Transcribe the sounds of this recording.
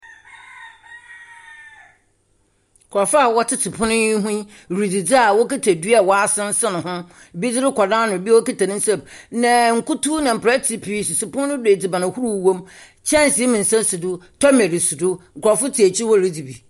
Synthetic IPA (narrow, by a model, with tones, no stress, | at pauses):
kʰɔ˨fa˦˨wɔ˦tʰɪ˦tʰɪ˨pʰʊ̃˦nʊ̃˦i˦ɦũ˦ | ɾi˨d͡zi˨d͡zɪ˦a˨wɔ˦kɪ˦tʰæ˨dɥa˨wɔ˦a˦sɪ̃˦n̩˦sa˦nʊ̃˨ɦʊ̃˦˨ | bi˦d͡zɪ˦ɾɪ˦kʰɔ˨dãː˦nʊ̃˨bi˦wɔ˦ki˦tʰa˨nɪ̃˦n̩˦sɛ˦bnã˨ŋ̩˨ku˦tʰu˦nã˨m̩˨pʰɾɛ˦tʰi˨˦pʰi˦˨su˨sɪ˨pʊ̃˦nʊ̃˦de˨d͡zɪ˨bã˨nɪ̃˨hu˦ɾu˦˨wõ˦m | t͡ɕʰɛ̃˦n˨si˨˦mɪ̃˨n̩˨sã˦n˦su˨dʊ˦tʰɔ˦mɛ˨ɾi˨su˨dʊ˦ŋ̩˨kʰʊ˨ɾɔ˨fʊ˦tʰi˨æ˨t͡ɕʰi˦wɔ˦˨ɾi˦d͡zi˨bi˨